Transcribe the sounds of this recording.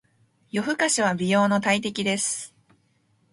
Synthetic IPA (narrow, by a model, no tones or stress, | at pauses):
jo̞ɸɯ̟kaɕiβabʲijo̞ːno̞t̪ait̪e̞kʲid̪e̞sɨ̥